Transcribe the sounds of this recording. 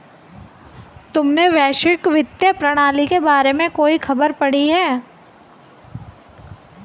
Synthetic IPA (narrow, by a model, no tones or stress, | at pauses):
t̪ʊmneʋɛːʃɪkʋɪt̪jəpɾɐɽ̃aːlikebaːɾemẽkoːixʰɐbəɾpɐɽiɦɛː